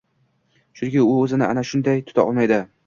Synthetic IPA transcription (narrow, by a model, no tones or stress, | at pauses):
ʃʊnkʲɪʊɵzɪnɪʔa̰naʃʊnd̪ajt̪ʰʊ̥t̪ʰa̰ɒ̰lˠmajd̪ɪ